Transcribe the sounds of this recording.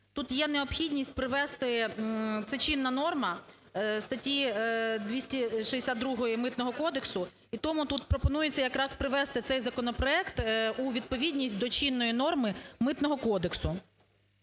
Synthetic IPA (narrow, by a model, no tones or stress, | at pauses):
t̪ut̪jɛneɔpxʲidʲnʲisʲtʲpɾɪʋɛst̪ɪt̪sɛt͡ʃʲinːɐnɔrmɐ | st̪ɐtʲid̪ʲʋʲisʲtʲiʃiesʲad̪ɾuɦɔjimɪt̪nɔɦɔkɔd̪eksʊ | it̪ɔmʊt̪ut̪pɾɔpɔnujet͡sʲːɐjɐkɾɑspɾɪʋɛst̪ɪt̪sɛjzɐkɔnɔpɾɔɛkt̪uʋʲid̪̚pɔʋʲidʲnʲisʲtʲd̪ɔt͡ʃinːɔjinɔrmɪmɪt̪nɔɦɔkɔd̪eksʊ